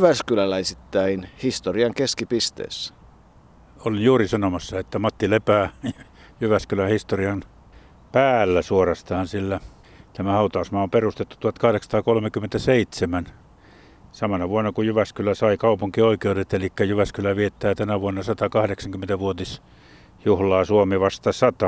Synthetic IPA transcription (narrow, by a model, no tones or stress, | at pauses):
ʋæskylælæesit̪ːæinhist̪oriɑŋkeskipist̪ḛːsː | olinjuːrisɑnomɑsːɑet̪ːæmɑt̪ːilepæː | jyʋæskylæhist̪oriɑn | pæːlːæsuorɑst̪ɑːnsilːæ | t̪æmæhɑut̪ɑusmɑomperust̪et̪ːu̥t̪uɑt̪kɑhɾeksɑ̥t̪ɑːkolmekyment̪æseit̪semæn | sɑmɑnɑʋuonːɑkujyʋæskylæsɑikɑupuŋkioikeudet̪elikːæjyʋæskylæʋiet̪ːˑæːt̪ænæʋuonːɑsɑt̪ɑkɑhdeksɑŋkyment̪æʋuot̪is | juhlɑːsuomeʋɑst̪ɑsɑt̪ɑ